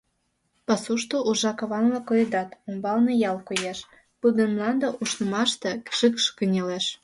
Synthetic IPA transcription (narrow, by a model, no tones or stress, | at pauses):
pɑsuʃt̪oʔuʒɑkɑβɑnlɑkojed̪ɑt̪ombɑlnɤjɑlkojeʃ | pud̪ə̆nmlɑnd̪ɤʔuʃnə̆mɑʃt̪ekʃəkʃkənʲeleʃ